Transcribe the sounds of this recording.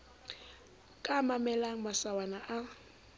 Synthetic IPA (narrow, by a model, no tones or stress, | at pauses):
kʼamamɛlaŋ̩masawanaʔa